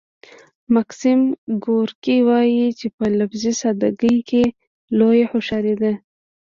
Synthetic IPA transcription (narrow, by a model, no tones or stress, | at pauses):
maksimɡoɾkiwɑjit͡ʃepəlafzisad̪aɡəjke | lojeħoʃaɾed̪a